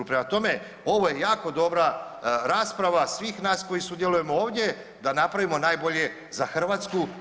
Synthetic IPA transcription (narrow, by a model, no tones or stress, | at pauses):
upɾemat̪o̞me̞ | o̞ʋo̞je̞jaːko̞d̪o̞bɾaɾaːspɾaʋasʋiːxnaːsko̞jisud̪jeluje̞mo̞oːʋd̪ʲje̞ | d̪anapɾaʋimo̞naːjbo̞ʎe̞ | zaxr̩ʋaːt̪sku